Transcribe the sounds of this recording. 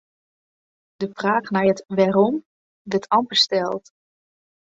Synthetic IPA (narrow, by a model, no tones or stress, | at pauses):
dəvraːχnaːɹɦətʋaːɾɔm | dətʰɑmpəstɛlˠt